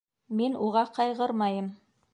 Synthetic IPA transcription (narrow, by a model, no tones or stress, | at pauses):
minuʁɑqɑjʁɤɾmɑjɤm